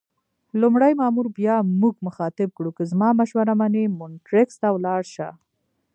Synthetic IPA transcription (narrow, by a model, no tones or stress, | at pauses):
lʊmɽajmɑmuɾbjɑmuɡmʊxɑt̪ɪb̚kɽukəzmɑmaʃwaɾamanemʊnʈɾɪkst̪awlɑɽʃa